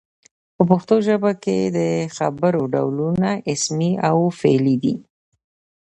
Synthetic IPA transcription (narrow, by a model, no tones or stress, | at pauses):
pəpəxt̪oʒəbakḛd̪əxa̰bəɾoɖa̰wlunaʔɪsmiawfelid̪ḭ